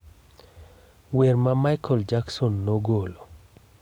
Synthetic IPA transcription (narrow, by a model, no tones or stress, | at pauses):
weɾmamajkʰɔld͡ʒaksɔnːoɡolo